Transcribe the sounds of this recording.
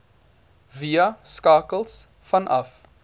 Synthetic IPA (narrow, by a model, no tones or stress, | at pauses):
viɐskɑːkəlˠs | fɐnʔɐ̰f